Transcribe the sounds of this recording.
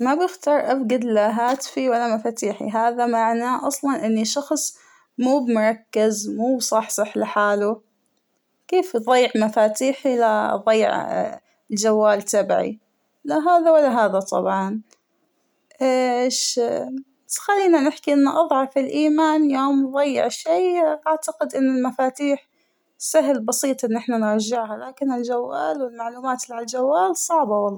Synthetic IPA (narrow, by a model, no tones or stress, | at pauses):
mabjɪxt̪ɑːɾˤʔafɡad̪laɦaːt̪fiwalːamafaːt̪iːħḭɦaːðamaʕnaʔɑsˤlɑnʔɪnːiʃɑxsˤ | muːbmʊɾˤɑkːɪzmuːbsˤɑːħsˤɨħlɪħaːlu | keːfðˤɑjːʕmafaːt̪iːħilaðˤɑj̰ːʕ̰ | ld͡ʒawːaːlt̪abʕḭ | laɦaːðawɪlːaɦaːðat̪ˤɑ̰bʕɑn | ʔʃ | xalːiːnanɪħkiʔɪnːaʔɑðˤʕɑfɪlʔiːmaːnjoːmðˤɑjːɪ̰ʕʃiːʔaʕt̪aqɪd̪ʔɪnːalmafaːt̪iːħ | saɦlbɑsiːt̪ˤʔɪnːɪħnanɾd͡ʒɪʕɦalaːkɪnɪld͡ʒawːaːlwɪlmaʕluːmaːt̪lald͡ʒawːaːlsˤɑʕbɑwɑlˤːɑ